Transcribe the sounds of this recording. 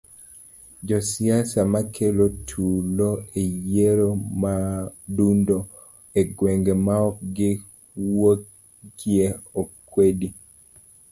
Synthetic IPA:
d͡ʒɔsiasamakʰelotʰuloejeɾomadundo | eɡweŋɡemaɔkɡɪ | wo | ɡjeɔkːwedi

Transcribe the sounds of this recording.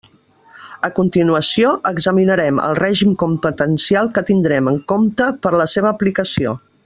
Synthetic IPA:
əkunt̪inuəsioʔəɡzəminəɾɛmə̰lˠrɛʒimkumpət̪ənsialˠkət̪ind̪ɾɛməŋkomt̪əpəɾləseβ̞əːplikəsio̰

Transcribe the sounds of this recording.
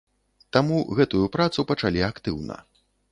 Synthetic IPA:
t̪amuɣɛt̪ujupɾat̪supɐt͡ʂalʲiakt̪ɨwnɐ̰

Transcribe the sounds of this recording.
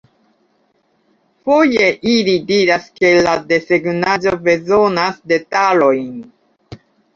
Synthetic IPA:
fo̞je̞ʔilidiɾaske̞lade̞se̞ɡnad͡ʒo̞be̞zo̞nasde̞talo̞jn

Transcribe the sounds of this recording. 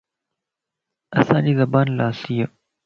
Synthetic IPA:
ɐsãːd͡ʑiːzɐbaːnlaːsijə

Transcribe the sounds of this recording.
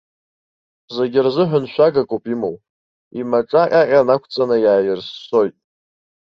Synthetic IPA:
zeɡʲɪrzɨħʷᶣanʃʷᶣaɡakʼopʼimow | imaʈ͡ʂʼaqʲʼaqʲʼanakʷʰt͡sʼanajaːjɪrsːo̞jtʼ

